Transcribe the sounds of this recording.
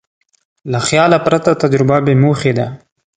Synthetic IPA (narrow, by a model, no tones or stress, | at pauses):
laxjɑlapɾat̪at̪ad͡ʒɾʊbabemoxed̪a